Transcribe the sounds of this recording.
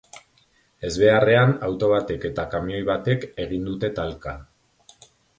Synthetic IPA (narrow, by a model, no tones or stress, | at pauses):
e̞zβe̞are̞anawt̪o̞β̞at̪e̞ke̞t̪akamio̞jβat̪e̞ke̞ɣind̪ut̪e̞t̪alka